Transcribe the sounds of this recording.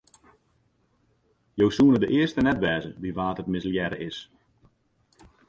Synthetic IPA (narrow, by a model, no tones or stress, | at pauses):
jowsuənədəʔɪərstənɛtʋɛːzəʋiʋaːtətmɪsljɛɾə̰ʔɪs